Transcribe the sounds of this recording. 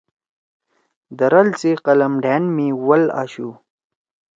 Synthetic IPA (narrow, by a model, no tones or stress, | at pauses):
d̪ɐɾɐlt͡seqɐlɐmɖaːnmiwɐla̰ːɕu